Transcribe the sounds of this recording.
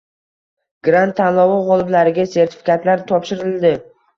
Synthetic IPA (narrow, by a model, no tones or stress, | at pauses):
ɡ̥ɾant̪ʰːanlˠɒvɒʁɒlˠɪblaɾɪɡʲase̞ɾt̪ʰɪ̥fi̥kʰat̪laɾt̪ʰɒpʃɪɾɪld̪ɪ